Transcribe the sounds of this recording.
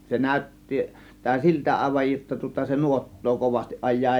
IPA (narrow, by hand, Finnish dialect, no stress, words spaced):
se næˑø̝tːi tæː siltæ ɑˑe̝ʋɑj jotːɑ tŭŏtɑ se nuotːoː koʋɑstiʔ ʔɑjˑɑː